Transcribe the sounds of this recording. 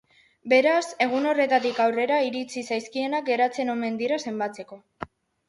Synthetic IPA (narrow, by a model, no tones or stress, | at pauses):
be̞ɾase̞ɣ̞uno̞re̞t̪at̪ikawre̞ɾaiɾit͡sisajskie̞nak̚ɡe̞ɾat͡se̞no̞me̞nd̪iɾase̞mbat͡se̞ko̞